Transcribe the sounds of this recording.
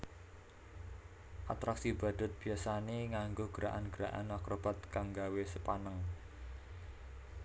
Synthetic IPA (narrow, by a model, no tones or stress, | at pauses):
ʔat̪ɾaksib̥a̤d̪̥ʊ̤t̪̚b̥i̤asaneŋaŋɡoɡ̥əɾaʔanɡ̥əɾaʔa̰nakɾob̥at̪̚kaŋɡawesəpanəŋ